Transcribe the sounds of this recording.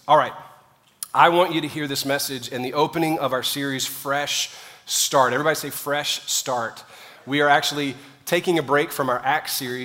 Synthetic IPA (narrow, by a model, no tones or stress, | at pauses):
ɔlˠɹaɪt̚ | ʔaɪwɑ̃nt͡ʃɨɾɨhiɹðɪsmɛsɨd͡ʒɨ̃nðiʔoʊpɨnɪ̃ŋʌvaʊə˞sɪɹiz̥fɹɛʃstɑɹɾɛvɹibɑɾiseɪfɹɛʃstɑɹt̚ | wiə˞æk̚t͡ʃul̩ˠi | tʰeɪkɪ̃ŋɨbɹeɪkfɹʌ̃maʊə˞ʔæksɪɹi